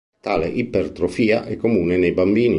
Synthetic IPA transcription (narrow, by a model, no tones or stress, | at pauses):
t̪aːlḛʔipːert̪ɾofiːaʔɛkːomuːnenejbambiːni